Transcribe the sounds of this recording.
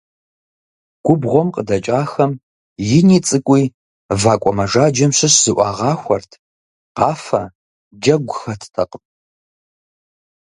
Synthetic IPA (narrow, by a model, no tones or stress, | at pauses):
ɡ̥ʷʊbʁʷɔmqʼədɐt͡ʃʼaːxɐm | jɪniːt͡sʼɨkʷʼiː | vaːkʷʼɔmɐʒaːd͡ʒɐmɕɪɕz̥ɨʔʷɑːʁɑːxʷɔrtʰ | qɑːfɐ̰ | d͡ʒɐɡʷʊxɐtʰtʰɐqʼəp̚ʼ